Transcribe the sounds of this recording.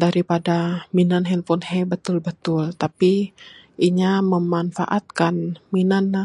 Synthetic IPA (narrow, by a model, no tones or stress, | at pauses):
daɾipadaminanɦɛnfɔnhɛbət̪ʊlbət̪ʊlt̪api | iɲaməmanfa̰ʔat̪̚kanminanːa